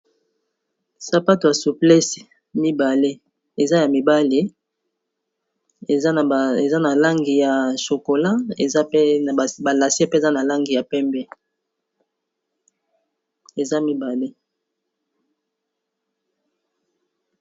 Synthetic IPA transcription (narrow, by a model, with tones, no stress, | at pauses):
sa˨pa˦to˨ja˨su˨plɛ˦s | mi˦ba˨le˦ | e˨za˦ja˨mi˨ba˦le˦˨˦ | e˨za˦na˨la˦ŋɡi˨ja˨ʃo˨ko˨la˦˨˦ | ba˨la˨se˦pe˦˨za˦na˨la˦ŋɡi˨ja˨pɛ˦mbɛ˦ | e˨za˦mi˦ba˨le˦